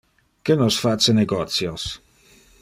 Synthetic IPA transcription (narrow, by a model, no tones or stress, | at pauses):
kənɔsfat͡səneɡɔt̪sjos